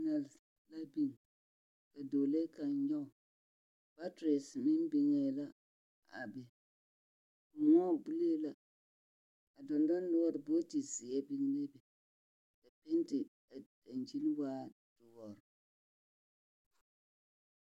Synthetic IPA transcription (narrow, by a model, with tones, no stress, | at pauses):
na˨l | la˦bi˦ŋ˨ | ka˨doː˨le˦ka˨ɲ˦ɲɔ˦˨ | b̥a˦tɾe˨smɪ˦n˦bi˨ŋe˨˦la˦ | a̰˨bɛ˨ | ŋɔ˦˨bi˦le˦la˦ | a˨dɔ˨ndɔ˦n˦lʊ˦wɔ˦ɾbo˦ti˨si˨ɛ˦bi˦ŋ˦le˦bɛ˨ | ka˨pe˦n˦ti˨ | a˨ | a˨nd͡ʒi˦lwaː˦ | d̥ʊ˨wɔ˨ɾ